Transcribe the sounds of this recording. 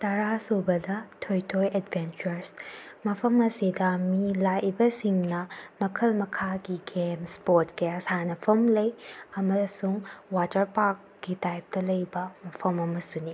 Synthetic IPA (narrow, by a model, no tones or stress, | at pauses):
tɐɾasubɐdɐtʰojtʰojedbent͡ʃuɾsmɐpʰɐmɐsidɐmilaʔibɐsiŋnɐmɐkʰɐlmɐkʰaɡiɡemspotkeɐsanɐpʰɐmlɐjɐmɐsuŋwatɐɾpak̚ | ɡitajp̚tɐlɐjbɐmɐpʰɐmɐmɐsuni